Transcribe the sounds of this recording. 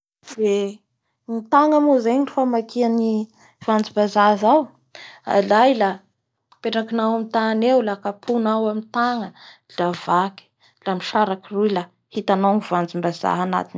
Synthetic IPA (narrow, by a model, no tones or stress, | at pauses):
d̪e | mit̪aŋamuzeɲifamakʰiani | v̥and͡zimbazazaw | a̰lajla | peʈ͡ʂakinawamit̪anewlakapʰunawamint̪aŋə | lavaki̥ | lamiʃaɾakirula | hit̪anawnivand͡zimbaza̰ɦana̰t̪in